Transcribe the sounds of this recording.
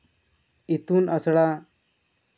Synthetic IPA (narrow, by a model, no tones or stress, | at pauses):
it̪unasɽa